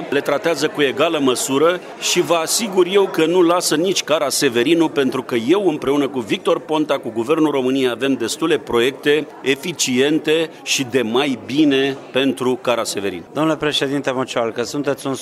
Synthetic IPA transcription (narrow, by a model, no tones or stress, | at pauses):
le̞t̪ɾat̪eazəkue̞ɡaləməsuɾə | ʃivəasiɡurje̞wkənulasənit͡ʃʲkaɾase̞ve̞ɾinupe̞nt̪ɾukəje̞wɨmpɾe̞unəkuvik̚t̪o̞rpo̞nt̪akuɡuve̞rnulro̞mɨnijejave̞md̪e̞st̪ule̞pɾo̞je̞k̚t̪e̞ | efit͡ʃie̞nt̪e̞ | ʃid̪e̞majbine̞pe̞nt̪ɾukaɾase̞ve̞ɾḭnd̪omnulepɾe̞ʃe̞d̪int̪emot͡ʃoalkəsunt̪e̞t̪sʲun